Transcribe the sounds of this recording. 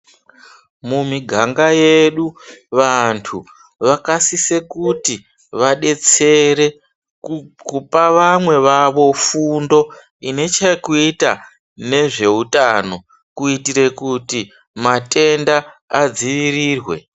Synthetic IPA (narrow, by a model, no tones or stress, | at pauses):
mumiɡʱaŋɡajeɗuʋantʰu | ʋakasise̞kuti | ʋaɗe̞t͡se̞ɾe̞ | kupaʋamwe̞ʋaʋo̞fundo̞ | ine̞t͡ʃakuita̰ | ne̞ʐe̞utano̞ | kuitiɾe̞kuti | mate̞ndaːd͡ziʋiriːrwe̞̰